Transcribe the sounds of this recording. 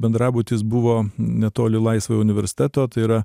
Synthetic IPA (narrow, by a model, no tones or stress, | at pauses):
bʲɛnd̪ɾɑːbuːt̪ʲɪsbʊʋoːnʲɛt̪oːlʲɪlˠɐɪsʋojʊnʲɪʋʲɛɾʲsʲɪ̥t̪ʲæt̪oːt̪ɐɪiɾɐ